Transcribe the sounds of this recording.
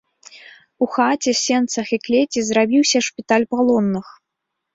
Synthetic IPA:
uxat͡sʲɛsʲɛnt̪sɐxiklʲet͡sʲizɾabʲiwsʲɐʂpʲit̪alʲpalˠɔnːɨx

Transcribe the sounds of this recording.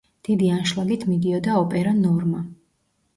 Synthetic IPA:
d̪̥id̪ianʃlˠaɡit̪ʰmid̪iɔd̪aɔpʼɛɾanɔɾma

